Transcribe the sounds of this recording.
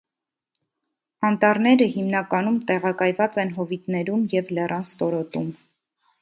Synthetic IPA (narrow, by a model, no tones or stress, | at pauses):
ɑnt̪ɑɾnɛɾəhimnɑkɑnumt̪ɛʁɑkɑjvɑt͡sɛnɦɔvit̪nɛɾumjɛvlɛrɑnst̪ɔɾɔt̪um